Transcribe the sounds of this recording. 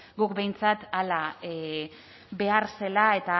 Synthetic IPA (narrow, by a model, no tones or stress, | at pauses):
ɡukbe̞jnt͡sat̪ala | be̞aɾse̞lae̞t̪a